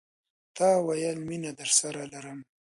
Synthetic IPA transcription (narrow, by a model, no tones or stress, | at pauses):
t̪ɑwajəlminad̪əɾsaɾalaɾəm